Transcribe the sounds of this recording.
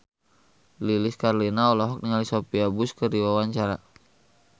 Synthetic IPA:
lilɪskarlinaɔlɔɦɔk̚niŋalisopiabʊskədiwawaɲt͡ʃaɾa

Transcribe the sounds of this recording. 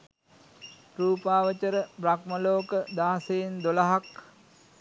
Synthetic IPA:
ruːpaːʋət͡ʃəɾəbrak̚məloːkəd̪aːseend̪olaɦak

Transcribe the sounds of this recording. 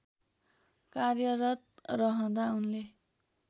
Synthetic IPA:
karjʌɾʌt̪̚rʌɦʌ̃d̪aunle

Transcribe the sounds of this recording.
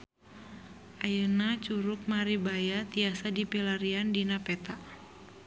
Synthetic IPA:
ʔajənat͡ʃuɾʊk̚maɾibajat̪iasadipilaɾiandinapɛt̪a

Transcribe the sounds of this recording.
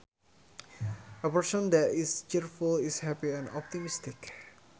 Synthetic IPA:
ʔəpərsɔ̃nd̪ɛt̪ist͡ʃiɾfulishɛpiɛ̃nɔp̚t̪imist̪ɪk

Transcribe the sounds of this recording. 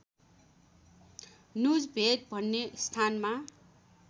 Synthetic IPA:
nud͡zbʱet̪̚bʱʌnːest̪ʰanma

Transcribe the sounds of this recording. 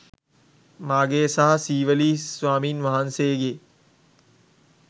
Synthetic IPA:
maːɡeːsaɦɐsiːʋəliːsʋaːmiːnʋaɦansejɡe

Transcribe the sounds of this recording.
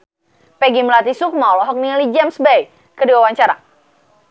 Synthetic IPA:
pɛɡimlat̪isuk̚maɔlɔɦɔk̚nilid͡ʒɛmsbɛj | kədiwawaɲt͡ʃaɾa

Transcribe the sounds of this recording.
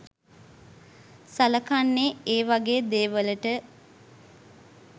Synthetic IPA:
saləkanːeːeːʋaɡeːd̪eːʋələʈə

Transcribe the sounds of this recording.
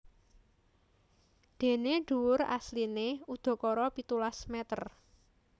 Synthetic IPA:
d̪̥e̤neɖ̥uwʊɾa̰slineud̪̥ɔ̤kɔɾɔpit̪ulasmɛt̪ər

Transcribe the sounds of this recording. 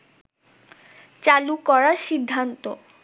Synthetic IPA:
t͡ɕalukɔɾaʃid̪ʱːant̪o̰

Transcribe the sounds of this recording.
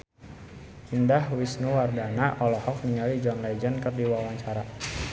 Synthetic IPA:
ʔindahwisnuwardanaʔɔlɔhɔk̚niŋalid͡ʒɔnlad͡ʒənkərdiwawaɲt͡ʃaɾa

